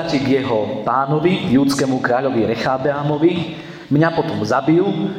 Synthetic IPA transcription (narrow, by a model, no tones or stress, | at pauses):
aciɡjɛɦɔpaːnɔʋiɡjuːt͡skɛːmukɾaːʎɔʋiɾɛxaːb̪ɛamɔʋi | mɲapɔt̪ɔmzabiu